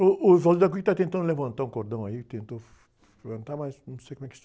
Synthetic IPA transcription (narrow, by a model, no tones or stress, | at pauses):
ʊʔʊzɔzud̪ɐk̬uʎt̪at̪ẽnt̪ɐ̃nd̪levɐ̃nt̪aɾũkoɾd̪ɐ̃w̃ɐit̪ẽnt̪o | levɐ̃nt̪aɾmaznɐ̃w̃sejkomɛk̪